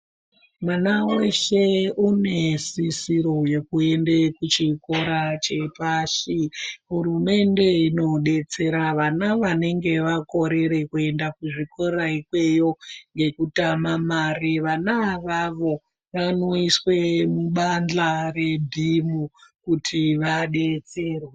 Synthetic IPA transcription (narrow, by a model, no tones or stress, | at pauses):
mwanaweʃe̞une̞sisiɾo̞je̞kue̞ndekut͡ʃiko̞ɾat͡ʃe̞paʃiɦuɾume̞nde̞ino̞ɗe̞t͡se̞ɾaʋanaʋane̞ŋɡe̞ʋako̞ɾe̞ɾe̞kue̞ndakuʐiko̞ɾaikwe̞jo̞ŋɡe̞kutamamariʋanaʋaʋo̞ | ʋano̞iswe̞muɓand͡ɮare̞dʱimukutʰiʋaɗet͡seːrwe